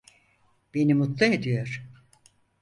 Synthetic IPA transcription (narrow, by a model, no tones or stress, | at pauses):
b̥e̞nimut̪lˠɯed̪ijoɾ̥